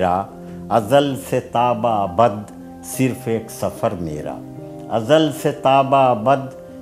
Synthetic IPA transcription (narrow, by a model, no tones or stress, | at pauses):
ɾaː | ɐzəlset̪aːbaɐbəd̪ | sɪɾfʰeːksɐfʰəɾmḛːɾa̰ː | ɐzəlset̪aːbaɐbəd̪